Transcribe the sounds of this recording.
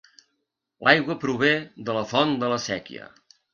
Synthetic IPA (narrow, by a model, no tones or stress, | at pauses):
lʔajɣwəpɾuβ̞eðələfɔnd̪ələsɛkḭə̰